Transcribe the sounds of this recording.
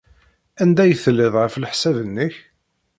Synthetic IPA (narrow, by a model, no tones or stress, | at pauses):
ænd̪æjəθlːɪðˤʁəflħsævənːəç